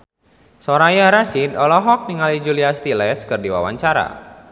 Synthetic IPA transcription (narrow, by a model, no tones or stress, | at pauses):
soɾajaɾasidɔlɔɦɔk̚niŋalid͡ʒuliast̪ilɛskɨrdiwa̰wa̰ɲt͡ʃaɾa̰